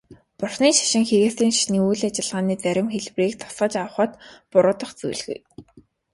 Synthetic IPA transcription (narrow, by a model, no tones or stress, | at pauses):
pʊrχniːʃḁʃɪ̆ŋxeɾĕːsiːŋʃḁʃniːujɮat͡ɕɪ̆ɮʁaːniːt͡sæɾʲɪ̆mxeɮwriːk̚t̪ʰɔ̥sə̆t͡ɕawə̆χə̆t̪pʊɾʊːt̪ə̆χt͡sṵjɮɣṵ̆j